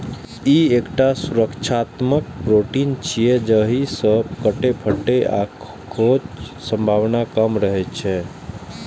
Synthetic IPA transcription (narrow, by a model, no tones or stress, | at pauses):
iekʈasuɾəkt͡ʃʰat̪mək̚pɾoʈint͡ʃʰijed͡ʒəɦisəbkəʈepʰəʈeʔa̰ | kʰot͡ʃ | sə̃mbʱaʋnakəmɾəɦɛt͡ʃʰɛ